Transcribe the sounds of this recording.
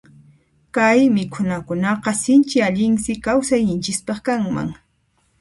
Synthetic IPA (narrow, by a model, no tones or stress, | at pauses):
kajmɪkʰʊnakʊnɑqɑsɪnt͡ʃɪaʎɪŋsɪkawsajɲɪnt͡ʃɪspɑχkaŋma̰ŋ